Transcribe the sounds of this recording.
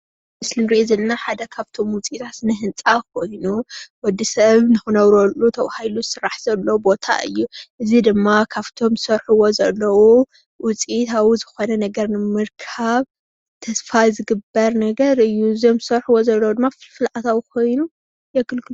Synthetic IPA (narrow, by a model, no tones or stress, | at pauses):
mɨslɨmɾizɨlːaħad̪ɐkʰaβt̪ʰo̞mwʊt͡sʼit̪ʰat̪ɨnɐɦɨnt͡sʼakʰo̞jnuwɔd̪ːisɐβnɨxunɐwɾolːut̪ʰɐwahajluzɨsɨɾːaħz̥ɐlːowbo̞t̪ʰa̰ʔɨ̰jːuʔɨzid̪ɨmːakʰaβt̪ʰo̞mzɨ̥sɐɾħuwo̞zɐlːɐwu | wʊt͡sʼit̪ʰawuzɨxo̞nɐnɐɡɐɾnɨmɨɾkʰaβ | t̪ʰɐsfajzɨɡɨbːɐɾnɐɡɐɾɨjːuɨzomzɨsɐɾħuwozɐlːɐwud̪ɨmːafɨlʕat̪ʰawkʰo̞jnu | jɛɡɨlkʰɨlu